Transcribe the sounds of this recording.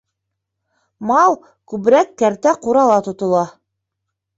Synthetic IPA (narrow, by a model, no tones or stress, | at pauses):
mɑlˠ | kʉβ̆ɾækːæɾt̪æquɾɑlˠɑt̪ŏt̪ŏlˠɑ